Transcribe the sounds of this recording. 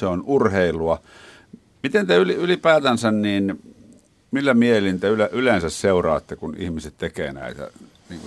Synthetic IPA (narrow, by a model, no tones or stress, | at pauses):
seonurheilˑuɑ | mit̪ent̪eyliylipæːt̪ænsænniːn | milːæmiehelint̪eyleʔylensæsseurɑ̰ːt̪ːekunḭhmiset̪t̪ekḛːnæ̰ˑit̪æ̰ | niːŋku